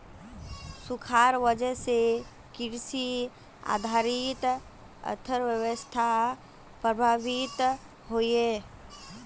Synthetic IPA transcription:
sukʰaɾʋəd͡ʒəɦse | kiɾsi | a̰d̪ʱaɾit̪ | ə̰t̪ʰəɾwjəwəst̪ʰa | pɾəbʱaʋit̪ | ɦoje

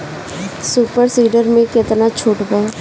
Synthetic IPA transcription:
suːpəɾsiːɖəɾmẽkɪt̪nat͡ʃʰuːʈbaː

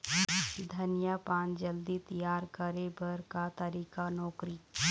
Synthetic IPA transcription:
d̪ʱɐnɪjapãːnd͡ʒəld̪it̪ɐjaːɾkəɾebəɾkat̪ɐɾiːkanɔːkɾi

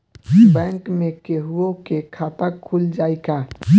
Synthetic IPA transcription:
bɛ̃ːŋkmẽkeɦuõkekʰaːpakʰːuld͡ʒaːeka

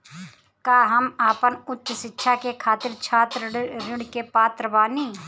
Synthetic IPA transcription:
kaːɦəmaːpənʊt̪ːʃʃɪtːʃʰakekʰaːt̪ɪɾt͡ʃʰaːt̪ɾɾɪɽkepaːt̪ɾəʋaːniː

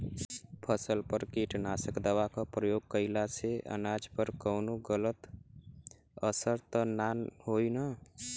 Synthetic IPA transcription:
pʰəsəlpəɾkiʈnasəkd̪əwakapɾəjoɡ̚kəɪlaseʔə̰nad͡ʒpəɾkəːnoɡələt̪ | əsəɾt̪ənanɦojnə

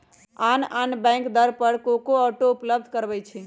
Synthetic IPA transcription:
ananbɛ̃jŋkd̪əɾpəɾkokoɔʈoupləb̚d̪ʱkəɾbɛjt͡ʃʰi

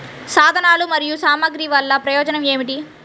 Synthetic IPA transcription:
saːd̪ʱɐnaːlumɐɾijusaːmɐɡɾiʋɐlːɐpɾɐjɔːd͡ʒɐnɐme̞ːmiʈ̬i

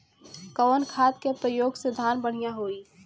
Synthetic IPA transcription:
kəʋənkʰaːt̪kepɾəjoːɡsed̪ʱaːnbəɽ̤ijaɦoːi

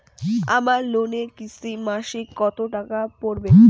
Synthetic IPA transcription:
a̰maɾlonekisʰimaʃikɔt̪oʈakapoɾbe

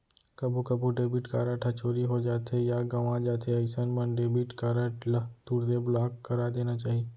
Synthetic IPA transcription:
kɐbʱukɐbuɖeːbiʈkaːɾaʈʰɐt͡ʃʰoːɾiɦod͡ʒaːt̪ejaɡɐʋãd͡ʒaːt̪ʰeɐɪsənmənɖeːbiʈkaːɾəʈlɐt̪uːɽt̪eblaːkːɐɾad̪eːnat͡ʃaːɦie

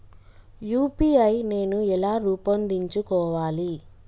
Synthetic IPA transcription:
juːpiɐjne̞ːnuɛlaːɾuːpɐnd̪iɲt͡ʃukɔːʋaːli

